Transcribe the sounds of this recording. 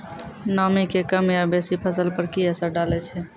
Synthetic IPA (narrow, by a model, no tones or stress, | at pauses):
namikekəmjabesipʰəsəlpəɾkiəsəɾɖalɛt͡ʃʰɛ